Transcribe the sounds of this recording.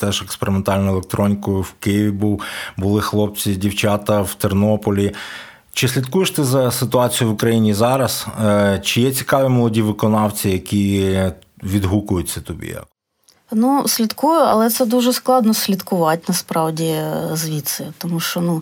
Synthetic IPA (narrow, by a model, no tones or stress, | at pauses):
t̪ɛʒekspeɾɪment̪ɑlʲnʊelˠek̚t̪ɾɔnʲikʊjʊwkɪjiʋʲibuwbʊlˠɪxlˠɔp̚t͡sʲidʲiwt͡ʃɑt̪ɐwt̪ernɔpɔlʲi | t͡ʃɪsʲlʲit̪kujeʃt̪ɪzɐsɪt̪ʊɑt͡sʲijʊʋʊkɾɐjinʲizɑɾɐst͡ʃɪjɛt͡sʲi̥kɑʋʲimɔlˠɔdʲiʋɪkɔnɑwt͡sʲijɐkʲi | ʋʲid̪ɦukʊjʊtʲt͡sʲːɐt̪ɔbʲḭjɐ̰ | nusʲlʲit̪kujʊɐ̰lˠɛt̪sɛd̪uʒɛsklˠɑd̪nɔsʲlʲit̪kʊʋɑtʲnɐspɾɑwdʲizʋʲit̪sɪt̪ɔmuʃt͡ʃɔnu